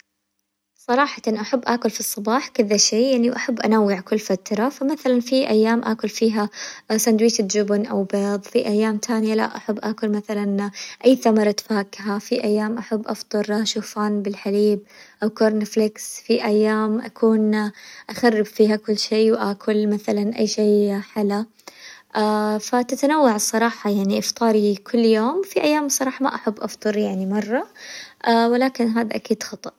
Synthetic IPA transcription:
sˤɑɾˤɑːħɑt̪nʔaħabːʔaːkʊlfisˤːɑbɑːħkɪðaʃeːjaʕniwʔaħabːʔanawːɪʕkʊlːfat̪ɾˤɑfamaθalanfiʔajːaːmʔa̰ːkʊlfiːɦasand̪wiːt̪d͡ʒʊbnʔa̰wbeːðˤfiʔajːaːmt̪aːnɪjala̰ʔaħabːʔaːkʊlmaθalanʔajːθamɑɾˤɑt̪faːkɦafiʔajːaːmʔaħabːʔɑ̰ft̪ˤɨɾaʃuːfaːnbɪlħaliːb̚ʔawkoːɾˤnflɪksfiʔajːaːmʔakʰuːnʔaxarːɪbfiːɦakʊlːʃeːwʔaːkʰʊlmaθalanʔa̰jːʃeːħala | ʔafat̪at̪anawːaʕsˤːɑɾˤɑːħɑjaʕniʔɪft̪ˤɑːɾikʰʊlːjoːmfiʔajːaːmsˤɑɾˤɑːħɑma̰ʔaħabːʔɑft̪ˤɨɾjaʕnimɑrˤːɑʔawɪlaːkɪnɦaːd̪aʔakiːd̪xɑt̪ˤɑʔ

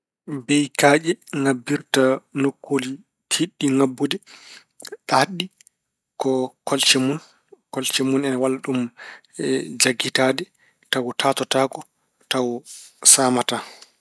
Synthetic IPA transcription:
bɛjkaːd͡ʒɛŋabːiɾtanokʰːoli | tʰiɗːiŋabːudɛ | ɗahaɗːi | kɔkɔlt͡ʃɛmun | kɔlt͡ʃɛmunɛnawalaɗum | d͡ʒaɡːitaːdɛ | tawtʰaːtɔtaːkɔ | tawsaːmata

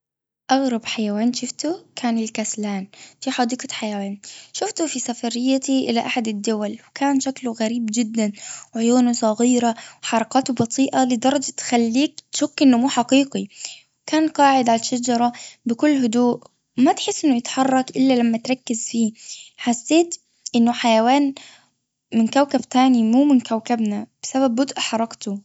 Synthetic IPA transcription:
ʔɑɣɾˤɑbħajaweːnʃʊft̪ukʰaːnɪlkaslaːnfiːħɑd̪iːqɑt̪ħajawaːnʃʊft̪ufisafɑɾɪjːat̪iʔɪ̰laʔaħad̪ad̪ːʊwalwkaːnʃakluɣaɾiːbd͡ʒɪd̪ːanwʕʊjuːnusˤɑɣiːɾawħɑɾˤɑqɑːt̪ubɑt̪ˤʰiːʔalid̪ɑɾˤɑd͡ʒt̪xalːiːk̚t̪ʃʊkːɪnːʊmuːħɑqiːqiwkaːnqɑːʕɪd̪ʕalaʃːad͡ʒɑɾˤɑbɪkʊlːɦʊd̪uːʔ | mat̪ħɪsːʔɪnːʊjɪt̪ħɑrˤːɑkʔɪlːalamːat̪ɾˤɑkːɪzfiːħasːeːt̪ | ʔɪnːʊħajawaːn | mɪnkawkabt̪aːnimuːmɪnkawkabnab̥ɪsaβab̚ːʊd̪ʔħɑɾˤɑkt̪ʊ

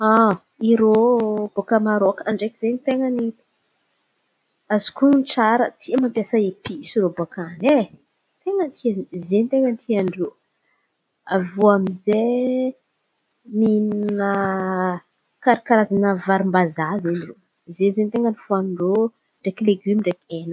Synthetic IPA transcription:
a | iɾob̥okamaɾokaɳɖ͡ʐekʲizent̪eŋəni̥ | azi̥kunt͡saɾət̪ʰiəmampjasəepisiɾobokane | t̪eŋənt̪ʰiazent̪eŋənt̪ʰiaɳɖ͡ʐo | avuamize | mininə | kaɾikaɾazanəvaɾimbazazenro | zezent̪eŋɡənifuanɳɖ͡ʐo | ɳɖ͡ʐekileɡymiɳɖ͡ʐekenə

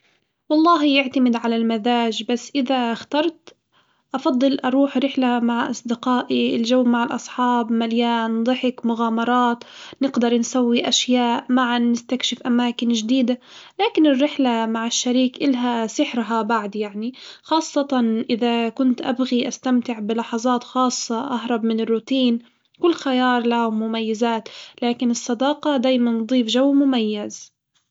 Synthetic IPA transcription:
wɑlˤːɑːɦjɪʕt̪amɪd̪ʕalalmaðaːʒbasːʔɪðaxt̪ɑɾˤt̪ | ʔɑfɑd̪ˤːɨlʔɑɾˤuːħɾɪħlamaʕʔɑ̰sˤd̪ɪqɑːʔiɪlʒawːmaʕɪlʔɑsˤħɑːbmaljaːnd̪ˤɨħɪkmʊɣaːmɑɾˤɑːt̪nɪɡd̪ɑɾˤnsawːiʔaʃjaːʔmaʕanːɪst̪akʃɪfʔamaːkɪnʒd̪iːd̪a | laːkɪnɪrːɪħlamaʕɪʃːaɾiːkʔɪlɦasɪħɾɦabaʕd̪jaʕnixɑːsˤːɑt̪ɑnʔɪðakʊnt̪ʔabɣiʔast̪amt̪ɪʕbɪlɑħɑzˤɑːt̪xɑːsˤːɑʔaɦɾˤɑbmɪnɪrːuːt̪iːn | kʊlːxajɑːɾˤlamʊmajːɪzaːt̪laːkɪnɨsˤːɑd̪ɑːqɑd̪aːjmanːd̪ˤiːfʒawːmʊmajːaz

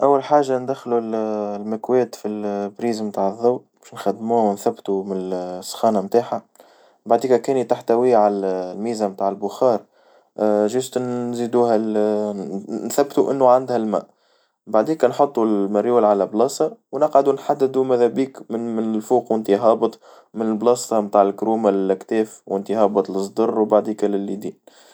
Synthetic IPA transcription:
ʔæwːælħaːʒːand̪æxlullmækwɛːt̪filbɾiːzmt̪aːʕəðːawbɛʃnxæd̪ːmuːhæwnθæbːt̪umɪnsːxɑːnamt̪aːħa | baʕd̪iːkækɛːnit̪aħt̪æwiːʕallmiːzæmt̪aːʕɪlbʊxɑːɾˤ | ʒɪst̪ziːd̪uːɦæl | nθæbːt̪uʔɪnːʊʕand̪hælmæ̰ːʔ | baʕd̪iːkænħot̪ˤːulmɪɾjuːlʕalæblɑːsɑwnɑqʕad̪unħad̪ːɪd̪umæðæbiːkmmɪnɪlfuːqwɪnt̪iɦɑːbət̪ˤ | mɪnɪlblɑːst̪ˤɑmt̪aːʕɪlkɾuːmalɪlɪkt̪ɛːfwɪnt̪iɦɑːbɑt̪ˤləsˤd̪ɑrˤːwbaʕd̪iːkælɪlːid̪iːn

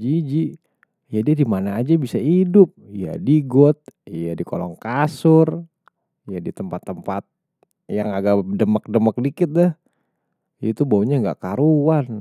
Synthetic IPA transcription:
d͡ʒid͡ʒi | jadiadimanaːd͡ʒabisaidʊp̚ja̰diɡɔt̪̚jadikolɔ̰ŋkasʊr | jadit̪əmpat̪ːəmpat̪̚ | jaŋaɡadəmək̚dəmək̚dikɪt̪̚dɛh | it̪ubauɲaŋɡa̰ʔkaɾuwan

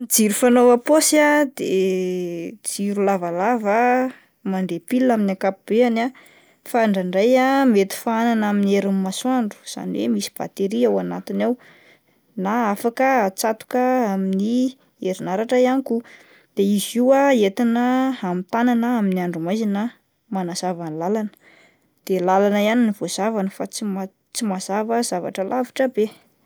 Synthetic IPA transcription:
d͡ziɾufanowaposiad̪e | d͡ziɾulavalavə | maɳɖ͡ʐepilaminakapub̥eana | faɳɖ͡ʐaɳɖ͡ʐajamet̪i̥faananamineɾinmaswaɳɖ͡ʐu̥z̥a̰niwḛmisi̥b̥a̰t̪eɾiawanat̪inaw | naafakət͡sat̪u̥kəamini | eɾinaɾaʈ͡ʂəianiku | d̪̥eiziwaet̪inəamit̪ananəaminiaɳɖ͡ʐumajzina | manaz̥avanilalanə̥ | d̪̥elalanəianiniv̥oz̥avanəfat͡sima | t͡simazavəz̥ava̰ʈ͡ʂəlʔaviʈ͡ʂəbe

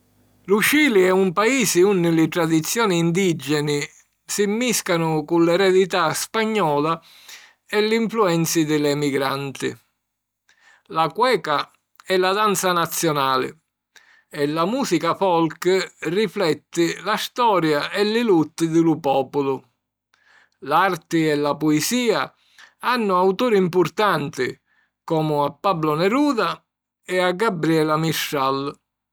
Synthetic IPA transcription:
lut͡ʃiːliɛumpaiːsɪunːɪlɪt̪ɾad̪it̪sːjɔːniːnd̪id͡ʒɛnɪ | simːiskanʊkunlɛɾɛd̪it̪aspaɲːɔːla | ɛlːɪiɱfluɛnt̪sid̪ɪlɛmiɡɾant̪ɪ̰ | lakwɛːka | ɛlːad̪ant̪sanat̪sːjɔnaːlɪ̰ | ɛlːamuːsikafɔlkriflɛt̪ːɪlast̪ɔːɾjaɛlːɪlut̪ːɪd̪ɪlʊpɔːpʊlʊ | lart̪ɪɛlapɔɛsiːa | anːʊawt̪uːɾimpʊrt̪ant̪ɪ | kɔːmʊapːablʊnɛɾuːða | ɛaɡːabɾiɛlamiʃːal

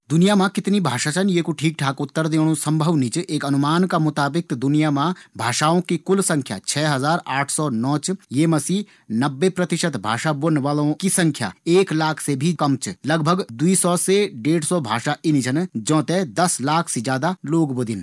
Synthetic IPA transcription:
d̪ʊnijamãkɪt̪nibʱaːʃat͡ʃʰənjekuʈʰiːk̚ʈʰaːkʊt̪ːəɾd̪ẽːɽ̃õsɐ̃mbʱəʋnit͡ʃeːkɐnʊmaːnkamʊt̪aːbɪk̚d̪ʊnijamãbʱaːʃaːõkikʊlsɐ̃ŋkʰja̰ːt͡ʃʰɛːɦɐzaːɾaːʈʰsɔːnɔːt͡ʃjeːmɐsi | nɐbːepɾɐt̪ɪʃət̪bʱa̰ːʃabonʋaːlõkisɐ̃ŋkʰja̰ːeːklaːkʰsebʱikɐmt͡ʃlɐɡbʱəɡd̪uisɔːseɖeːɖsɔbʱaːʃaʔinit͡ʃʰənd͡ʒɔ̃ːt̪ed̪ɐslaːkʰsed͡ʒaːd̪aloːɡbod̪ɪn

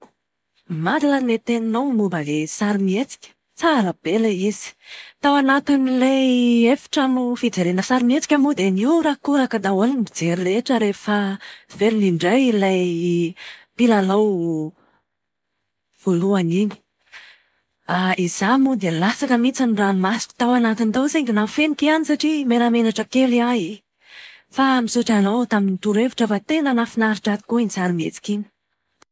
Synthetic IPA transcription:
malilanet̪eninawmubalesaɾimiet͡si̥kʲə̥ | t͡salab̥eleiz̥i̥t̪awanat̪inilaefi̥ʈ͡ʂamufid͡zeɾenəsaɾimiet͡si̥kʲamud̪eniɾakuɾakad̪aoninibid͡zeɾiɾeʈ͡ʂəɾefəv̥eliniɳɖ͡ʐajlajj | pilalaw | v̥oluanini̥ | aizamud̪elasakəmit͡sanuranmasi̥ki̥t̪awanat̪int̪owseŋɡinafenikianisaʈ͡ʂimeɾamenaʈ͡ʂəkeliai | famisuʈ͡ʂanowt̪aminit̪uɾevuʈ͡ʂəfat̪enənafinaɾiʈ͡ʂat̪i̥kuint͡saɾimet͡si̥kini̥

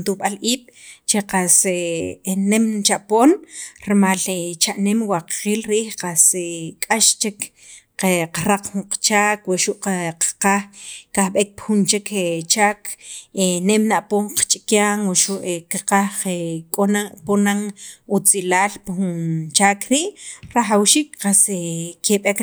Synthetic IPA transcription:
nt̪uɓalʔiːɓ̥t͡ʃeqasenemt͡ʃaʔpoːnɾemalet͡ʃaʔnemwaqqiːlɾiːhqasekʼaʃt͡ʃek | qeqaɾaq͡χxuɴqt͡ʃaːkwaʔʃuʔqaqḁqaxkaxɓek̚pxunt͡ʃekʰet͡ʃaːkʰenemnaʔpoːɴqt͡ʃʼikjaːŋwaʃuʔekaqaekʼoaponaŋut͡silaːlpxunt͡ʃaːkɾiːʔɾaχawʃiːkqasekeɓek

